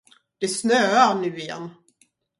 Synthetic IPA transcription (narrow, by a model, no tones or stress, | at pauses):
d̪̥ɛsnøːaɳʉ̟ːɪjɛ̰nː